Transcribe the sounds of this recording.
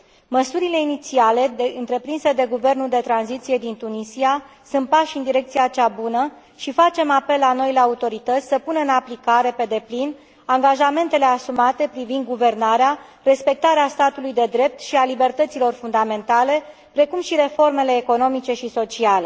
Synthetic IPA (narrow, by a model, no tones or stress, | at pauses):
məsuɾile̞init̪siale̞d̪eɨnt̪ɾe̞pɾinsed̪e̞ɡuve̞rnuld̪e̞t̪ɾanzit̪sije̞d̪int̪unisia | sunt̪̚paʃɨnd̪iɾe̞k̚t̪sijat͡ʃabunə | ʃifat͡ʃe̞mape̞lːano̞ile̞aut̪o̞ɾit̪ət̪sʲsəpunəɨnaplikaɾe̞pe̞d̪e̞plin | aŋɡaʒame̞nt̪e̞le̞asumat̪e̞pɾivind̪ɡuve̞rnaɾea | re̞spe̞k̚t̪aɾeast̪at̪ulujd̪e̞d̪ɾe̞p̚t̪ʃialibe̞rt̪ət̪silo̞rfund̪ame̞nt̪ale̞ | pɾe̞kumʃiɾe̞fo̞rme̞le̞ːko̞no̞mit͡ʃe̞ʃiso̞t͡ʃiale̞